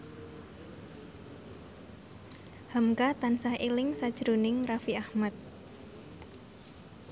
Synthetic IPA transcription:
hamkat̪ansahilɪŋsad̥ʒ̥ɾunɪŋrafiahmat̪̚

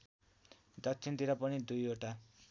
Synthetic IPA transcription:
dʌtt͡ʃʰint̪iɾapʌnid̪ujoʈa

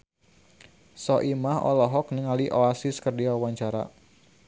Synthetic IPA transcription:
sɔʔimaɦɔ̰lɔɦɔk̚nəŋaliʔoasiskərdiawaɲt͡ʃaɾa̰

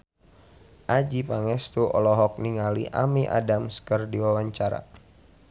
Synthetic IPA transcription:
ʔad͡ʒipaŋɛst̪uʔɔ̰lɔɦɔk̚niŋaliʔa̰miʔa̰damskərdiwawaɲt͡ʃaɾa̰

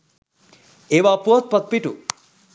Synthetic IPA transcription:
eʋapuot̪̚pət̪̚piʈu

